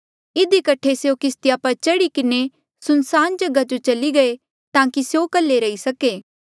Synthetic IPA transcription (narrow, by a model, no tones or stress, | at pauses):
ɪd̪ikɐʈʰeseokɪst̪ɪjapɐɾt͡ʃɐɽikɪne | sʊnsaːnd͡ʒɐɡad͡ʒot͡ʃɐliɡɐe | t̪ãːkisejokɐlːeɾɐisɐkeː